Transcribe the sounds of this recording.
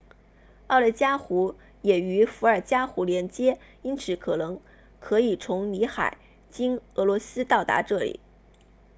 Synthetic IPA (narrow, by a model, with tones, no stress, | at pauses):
ɑ˥˩ʊlə˥˩ɪt͡ɕja˥xu˧˥ | jɛ˨˩y˧˥fu˧˥ə˞˨˩t͡ɕja˥xu˧˥ljɛ˧˥nt͡ɕjɛ˥ | i˥nt͡sʰɹ̩˧˩kʰɤ˨˩nɤ˧˥ŋ | kʰɤ˧˥i˨˩t͡sʰʊ˧˥ŋni˧˥xa̰˨˩˦ɪ | t͡ɕi˥ŋɤ˧˥lwɔ˧˥sɹ̩˥t̪ɑ˥˩ʊt̪a̰˧˥ʈ͡ʂɤ˥˩lḭ˨˩˦